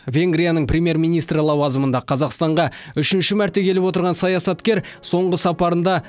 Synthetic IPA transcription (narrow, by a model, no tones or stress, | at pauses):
vʲe̞ŋɡrʲijanəɴprʲemje̞ɾmijnijst̪ɾəlˠɑwɑzəmənd̪ɑqʰɑzɑqst̪ɑɴʁɑ | ʏʃɪnʃɪmæɾt̪e̞kʲʰe̞lɪpwo̞t̪əɾʁɑnsɑjɑsɑt̪kʲe̞ɾso̞ɴʁəsɑpɑɾənd̪ɑ